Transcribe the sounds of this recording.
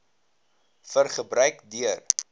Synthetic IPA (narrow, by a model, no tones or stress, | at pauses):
fərχəbɾœɥkdyər